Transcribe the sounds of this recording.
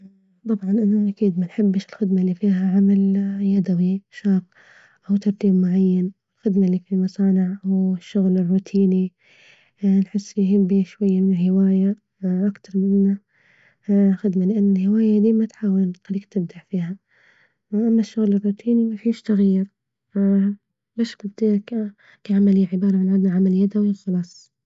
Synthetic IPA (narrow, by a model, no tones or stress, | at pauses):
t̪ˤɑbʕɑnʔɪnːaʔakiːd̪manħɪbːɪʃɪlxɪd̪malːiːfiːɦaʕamaljad̪awiʃɑːq | ʔawt̪ɑɾˤt̪iːbmʊʕajːanɪlxɪd̪malːiːfimɑsˤɑːnɪʕʔawɪʃːʊɣlɪrːuːt̪ʰiːni | nħɪsːjɦɪbːiʃwajːamɪnɪlhɪwaːja | ʔakt̪ɑɾˤmɪnːa | xɪd̪malɪʔanːɪlhɪwaːjad̪iːmat̪ħaːwɪlxaliːkt̪ɪb̚d̪aʕfiːɦa | ʔamːaʃːʊɣlɪrˤːuːt̪ʰiːnimaħiʃt̪aɣiɾ | baːʃbɪb̚d̪iːlak | kaʕamalɪjːaʕɪbɑːɾˤɑʕanʕad̪naʕamaljad̪awixɑlɑːsˤ